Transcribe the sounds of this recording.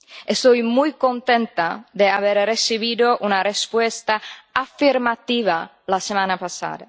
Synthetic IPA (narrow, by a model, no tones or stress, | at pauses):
est̪ojmujkont̪ent̪ad̪eaβeɾresiβiðoʔunarespwest̪aafiɾmat̪iβa | lasemanapasa̰d̪a̰